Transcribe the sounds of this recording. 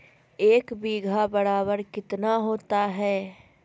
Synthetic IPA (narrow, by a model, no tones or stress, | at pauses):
eːkbiːɡʱabɐɽaːbəɾkɪt̪naɦoːt̪aɦɛː